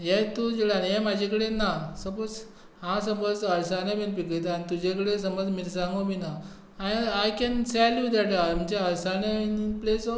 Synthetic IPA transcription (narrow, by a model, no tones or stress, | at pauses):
jet̪ud͡ʑilanemad͡ʑʱẽkəɽenasəbot͡s | hãsəməd͡zəɾsanemenpikəjt̪̬anit̪ud͡ʑekəɽes̬əməd͡zmiɾsãŋɡomina | aajkɛ̃nsɛljud̪ɛʈam̤ənd͡ʑeəɾsaneinpleso